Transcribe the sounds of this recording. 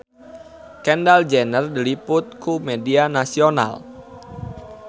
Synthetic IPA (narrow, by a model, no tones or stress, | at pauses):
kɛndald͡ʒɛnərdilipʊt̪̚kumɛdianasiona̰l